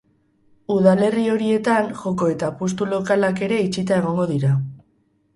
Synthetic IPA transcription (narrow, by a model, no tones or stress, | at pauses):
uðale̞rio̞ɾie̞t̪aŋʝo̞ko̞e̞t̪apost̪ulo̞kalake̞ɾe̞it͡ʃit̪ae̞ɣ̞o̞ŋɡo̞ðiɾa